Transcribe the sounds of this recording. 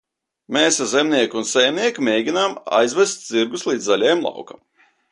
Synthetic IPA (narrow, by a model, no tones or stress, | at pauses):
meːszemnʲiɛkunsɛjmnʲiɛkimʲeːɡʲinama̰jzvʲɛst̪̚ʲziɾɡuslˠiːd̪zalʲɛjmlˠɑ̰wka̰m